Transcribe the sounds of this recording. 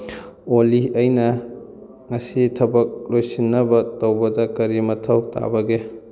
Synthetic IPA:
oliɐjnɐ | ŋɐsitʰɐbɐk̚lojsinːɐbɐtɐwbɐdɐkɐɾimɐtʰɐwta̰bɐɡe

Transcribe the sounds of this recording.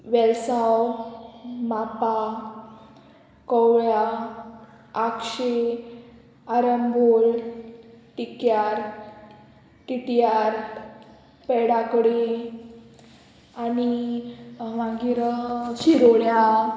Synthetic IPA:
ʋɛlsaw | mapa | kɔwɭja | akɕe | aɾəmbol | ʈikjaɾ | ʈiʈiaɾ | pɛɽakɽi | ani | maɡiɾɕiɾoɭja

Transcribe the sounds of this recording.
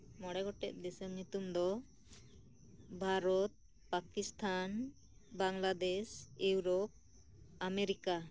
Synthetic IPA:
mɔɽɛɡɔʈɛ̰ʔ̪̚d̪ɛsɛmnit̪umd̪ɔ | bʱaɾɔt̪̚ | pakist̪ʰan | baŋlad̪eʃewɾɔp̚ | ameɾika

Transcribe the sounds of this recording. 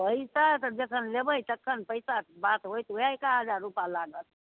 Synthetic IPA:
pəisat̪əd͡ʒekʰənlebəjt̪əkʰːənpəjsabat̪ɦojt̪ujaekaɦəd͡ʒaɾːupalaɡət̪

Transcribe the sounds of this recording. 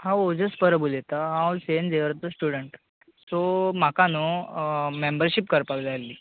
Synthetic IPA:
hãod͡zəspəɾəbulet̪aɦãlsend͡zeʋəɾt̪əsʈuɽəɳʈ | sɔm̤akano | membəɾɕipkəɾpakd͡zalːiː

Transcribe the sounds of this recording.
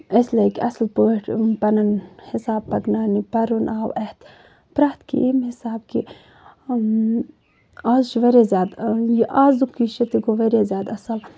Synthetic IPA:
eslekʲɐslpəʈpɐnɐnhisaːbpɐknaːnipɐɾunʔaːwʔɛht̪ | pɾaht̪kḭʔemhisaːbkḭ | aːzʃʋɐɾezʲaːd̪jiʔaːzukːiʃɐt̪iɡoʋɐɾʲezʲaːd̪ɐsɐl

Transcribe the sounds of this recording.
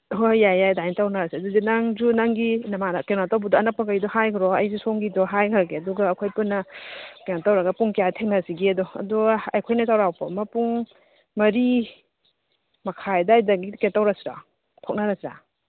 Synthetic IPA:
ɦojajajdajntawnaɾasiɐduzinaŋzunaŋɡinɐmankenatobudɔːnak̚pɐkajidɔhajkʰɾɔɐjzusoŋɡidɔɦajkʰaɡeɐduɡaːkʰojpunːɐkenatawɾɐɡɐpuŋkijatʰeŋnasiɡeɐdɔɐ̰dɔɐjkʰojnɐtawɾawpɔmɐpuŋ | mɐɾi | mɐkʰajdaːjdaɡikentawɾasiɾa̰ | tʰok̚nɐɾasɾa̰

